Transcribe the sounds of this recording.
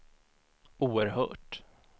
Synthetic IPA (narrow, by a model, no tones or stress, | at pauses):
uːəɾɦœ̰ːʈ